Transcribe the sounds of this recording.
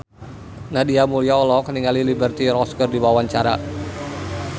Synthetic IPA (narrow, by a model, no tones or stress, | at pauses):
nadiamuliaɔlɔkəniŋalilibərt̪iɾɔskərdiwawaɲt͡ʃaɾa